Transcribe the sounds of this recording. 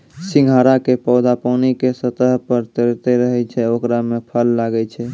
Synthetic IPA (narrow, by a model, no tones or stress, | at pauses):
siŋɡʱaɾakepəd̪apənikesət̪əɦpəɾt̪eɾt̪eɾəɦɛt͡ʃʰɛokɾamepʰəlːaɡɛt͡ʃʰɛ